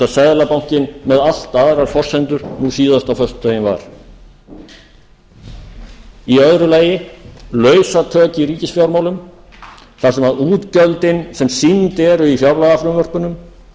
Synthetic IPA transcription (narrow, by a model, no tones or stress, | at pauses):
asɛðlapawɲ̥cɪnmɛðal̥t̪aðɾaɾ̥fɔr̥sɛnt̪ʏɾ̥nusiːðast̪awfœst̪ʏ̥t̪ajɪnva̰ɾ̥ | iœðɾʏlaːjɪlœːɥsat̪ʰœːcɪiɾiːcɪsfjawɾmawlʏm | θḁsɛmaðuːt̪cœlt̪ɪnsɛmsint̪ɛɾʏifjawɾlaɣafɾʏmvœr̥pʏnʏm